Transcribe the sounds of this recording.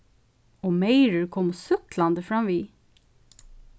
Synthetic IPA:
oːmeɪɹəɹkʰɔmːosʏklɑnd̪əfɹɑmʋiː

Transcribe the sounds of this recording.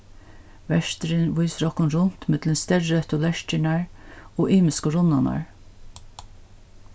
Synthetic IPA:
ʋɛʃt̪ɾənʋuɪsɾɔkʊnɾʊnt̪mɪt̪lənst̪ɛrœt̪ʊlɛʃt͡ʃəɳɑɹoːʔiːmɪskəɾʊnɑnɑ̰ɹ

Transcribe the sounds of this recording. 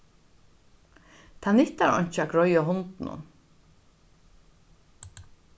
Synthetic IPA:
t̪ʰanɪht̪aɾɔ̰ɲ̥t͡ʃaɡɾɔjaɦʊnt̪nʊ̰n

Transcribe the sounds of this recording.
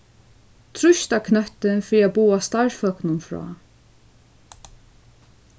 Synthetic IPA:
t̪ʰɾʊʃt̪akʰnœht̪ɪnfɾiːabuːast̪aɹfœknʊnfɾɔ̰ː

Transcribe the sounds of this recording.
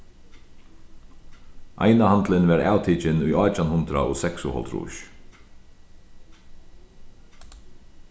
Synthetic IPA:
ʔa̰jnahant̪lɪnvɛɾa̰ːwt̪ʰiːt͡ʃɪnʊjɔːt͡ʃanhʊnt̪ɾa̰ʔɔ̰ːsɛksʊhɔ̰lt̪ɾṵːʃ

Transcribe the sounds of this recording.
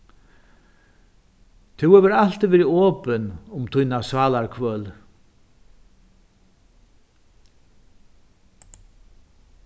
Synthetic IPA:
t̪ʰuwɛvɛɾal̥t̪ɪvɛːɾiɔːpɪnʊmt̪ʰujnasvaːlaɹkʰvœːl

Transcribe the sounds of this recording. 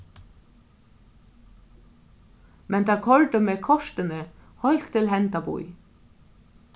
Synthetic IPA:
mʔɛnt̪ʰakʰɔɹt̪əmeːkʰɔʂt̪ɪnɪ | hɔjl̥t̪ʰɪlɦɛnt̪apṵj

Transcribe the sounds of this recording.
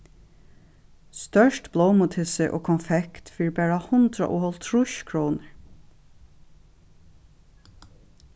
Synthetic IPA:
st̪œʂtbloːwmʊt̪ʰɪsɪʔo̰ːkʰɔnfɛkt̪fiːɹbæːɹahʊnt̪ɾa̰ʔʊhɔlt̪ʰɾʊʃkʰɹuːnəɹ

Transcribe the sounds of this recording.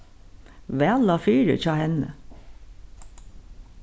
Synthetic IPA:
ʋæːlɑfyːɾə̰çɑːhɛnə̰

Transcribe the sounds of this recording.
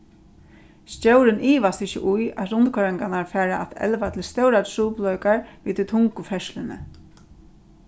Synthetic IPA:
scɛwɾɪniːʋast̪ɪçɪ̰ʔʊjat̪ɾʊnt̪kʰœɾɛŋkanaɹfæːɾaʔat̪ɛ̰lʋat̪ʰɪlst̪œwɾatʰɹuːplœɥkaɹʋiːt̪ʰt̪ʰʊŋkʊfɛʃlɪnɪ̰

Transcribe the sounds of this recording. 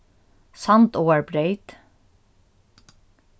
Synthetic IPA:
sɑnt̪oːæɹbɾeɪt̪

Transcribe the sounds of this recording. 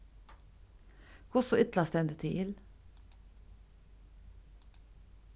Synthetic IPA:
kʰʊsɔʏt̪lɑst̪ɛnd̪ɪt̪ʰɪʔɪl

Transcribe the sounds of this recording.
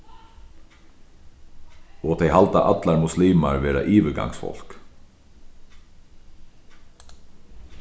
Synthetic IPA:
ɔːt̪ʰejhalt̪aʔɑt̪laɾmʊsliːmaɹʋeːɾa̰ʔiːʋəɡa̰ŋsfɔ̰l̥k

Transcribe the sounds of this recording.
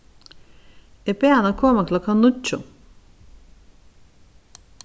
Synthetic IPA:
epeanakʰoɾmaklˠakʰanut͡ʃʰːu

